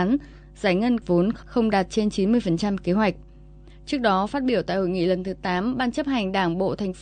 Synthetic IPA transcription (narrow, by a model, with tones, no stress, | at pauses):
n | zaː˧˩jŋə˧nvo˨˦nxə˧wŋ͡mɗaː˨˩t̚t͡ɕe˧nt͡ɕi˨˦nmɨ˧əjfə˨˩nt͡ɕa˧mke˨˦ɦwa˨˩jk̟̚ | t͡ɕɨ˦˥ək̚ɗɔ˨˦faː˦˥t̚ɓi˧˩əwt̪a̰ː˧˨jho̰˧˨jŋḭ˧˨lə˨˩nt̪ʰɨ˨˦t̪aː˨˦mɓaː˧nt͡ɕə˦˥p̚ha˨˩jŋ̟ɗaː˧˩ŋɓo̰˧˨t̪ʰa˨˩jŋ̟f